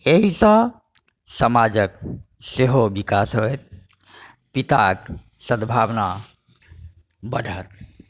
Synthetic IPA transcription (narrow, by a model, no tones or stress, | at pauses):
eɦisə̃ | səmad͡ʒək | seɦobikasɦojt̪̚ | pit̪ak | səd̪bʱabna | bəɖʱət̪